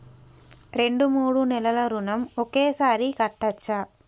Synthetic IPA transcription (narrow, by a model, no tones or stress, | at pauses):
ɾe̞ɳɖumuːɽunɛlɐlɐɾunɐmokeːsaːɾikɐʈːɐt͡ʃːa